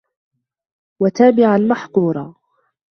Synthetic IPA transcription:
wat̪aːbɪʕalmaħquːɾˤɑ

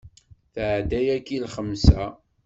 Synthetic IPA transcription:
θʕd̪æjækːilχəmːsæ

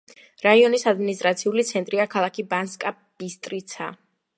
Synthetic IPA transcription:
ɾaiɔnisad̪minist̪ʼɾat̪sʰiulit̪sʰɛnt̪ʼɾiakʰalˠakʰibanskʼa | b̥ist̪ʼɾit̪sʰa̰

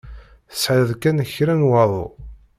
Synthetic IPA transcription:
θə̥sʕðkːænçɾænwɑðˤo̰

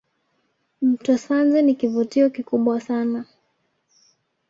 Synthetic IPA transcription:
m̩tɔsanzɛnikivutiɔkikuɓwasana

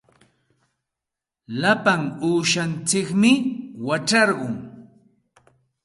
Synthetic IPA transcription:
lapaŋuːʃant͡sɪkmɪwat͡ʃɑɾɢʊŋ

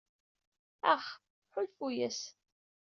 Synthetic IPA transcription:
æχ | ħʊlfujæs

